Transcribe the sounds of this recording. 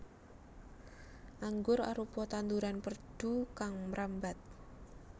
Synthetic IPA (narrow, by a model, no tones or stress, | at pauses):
ʔaŋɡʊɾa̰ɾupɔt̪and̪uɾanpərɖ̥ukaŋməɾambat̪̚